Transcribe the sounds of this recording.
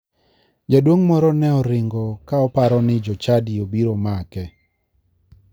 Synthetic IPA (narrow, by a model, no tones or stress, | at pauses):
d͡ʒadwoŋmɔɾɔnɛɔɾɪŋɡɔkaɔpaɾɔnɪd͡ʒɔt͡ʃadiobiɾomakɛ